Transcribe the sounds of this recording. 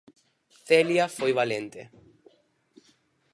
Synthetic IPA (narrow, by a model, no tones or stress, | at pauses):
θeljafojβalent̪ḛ